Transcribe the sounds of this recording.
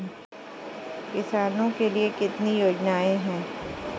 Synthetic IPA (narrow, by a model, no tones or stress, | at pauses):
kɪsaːnõkeliekɪt̪nijoːd͡ʒnaːẽɦɛ̃ː